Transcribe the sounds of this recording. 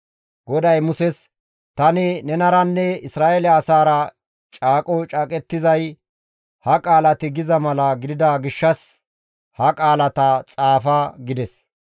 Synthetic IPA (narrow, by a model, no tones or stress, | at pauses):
ɡɔd̪ɐjmʊsɛs | t̪ɐnɪnɛnɐɾɐnːɛɪsɾaːʔelɐːsaːɾɐ | t͡ʃʼaːkʼɔt͡ʃʼaːkʼɛt̪ːɪzɐj | hɐkʼaːlɐt̪ɪɡɪzɐmɐlɐɡɪd̪ɪd̪aɡɪʃːɐs | hɐkʼaːlɐt̪ɐt͡sʼaːfɐɡɪd̪ɛs